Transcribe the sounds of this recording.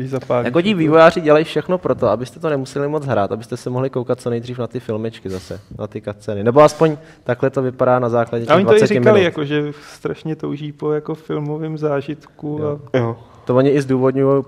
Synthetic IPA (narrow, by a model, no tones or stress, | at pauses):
ɪzapaːjakocɪviːvo̞jaːrɪɟɛlajfʃɛxno̞pɾo̞t̪o̞abɪst̪ɛt̪onɛmusɛlɪmo̞t͡sɦɾaːt̪abɪst̪ɛsɛmoɦlɪkowkat̪̚t͡so̞nɛjd̪riːfnat̪ɪfɪlmɪt͡ʃkɪzasɛnat̪ɪkat̪t͡sɛnɪnɛboaspo̞ɲ | t̪aklɛt̪o̞vɪpadaːnazaːklaɟɛt̪aoɲɪvaoɪt͡sɛɾɪɪmkalɪjakoʒɛst̪ɾaʃɲɛt̪owʒiːpojakofɪlmovɪːmzaːʒɪt̪kuajo | t̪ovoɲɪʔɪzduːvo̞dɲujo